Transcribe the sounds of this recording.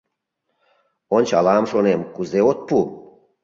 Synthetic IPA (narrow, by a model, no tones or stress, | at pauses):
onʲt͡ɕɑ̰lɑmʃonemkuzeot̪̚pu